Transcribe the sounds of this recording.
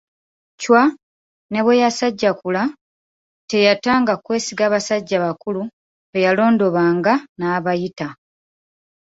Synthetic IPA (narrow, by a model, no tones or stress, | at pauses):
cwa | ne̞βwe̞jasaɟːakula | te̞jataːŋɡakwe̞ːsiɡaːβasaɟːaβakulu | βejalo̞ːndo̞βaːŋɡanaːβajita